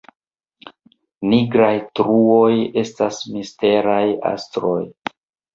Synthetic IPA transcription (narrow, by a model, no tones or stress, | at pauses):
niɡɾajtɾuo̞je̞stasmiste̞ɾaja̰stɾo̞̰j